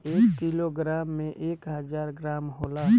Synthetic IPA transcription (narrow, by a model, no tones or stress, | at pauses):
eːkːiloɡɾaːmːẽʔeːkɦəd͡ʒaːɾɡɾaːmɦoːla